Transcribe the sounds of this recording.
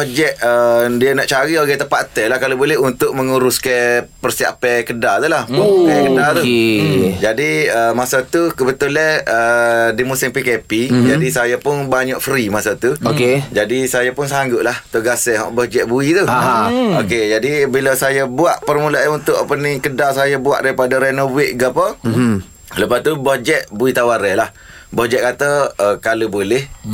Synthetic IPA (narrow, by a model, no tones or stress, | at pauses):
bɔd͡ʒɛʔədiənaʔt͡ʃaɾioɡɛt̪əpat̪ɛlahkalobolɛɦunt̪ʊʔ̚məŋuɾʊskəpərsia̰pɛkədat̪ulahɛkədat̪u | d͡ʒadiəmasat̪ukəbət̪ulɛədimusɪŋpikepid͡ʒadisajapʊnbaɲaʔfɾimasat̪uoked͡ʒadisajapʊnsaŋɡʊʔ̚laht̪əɡasɛɦɔ̰ʔbɔhd͡ʒɛʔ̚buit̪u | oked͡ʒadibiləsajəbuaʔpərmulaʔaunt̪ʊʔpənɪŋkədaʔsajəbua̰ʔdaɾipadaɾɛnobwɪʔɡapə | ləpast̪ubɔhd͡ʒɛʔ̪̚buit̪awaɾɛlah | bɔʔd͡ʒɛʔ̚kat̪əəkalubolɛh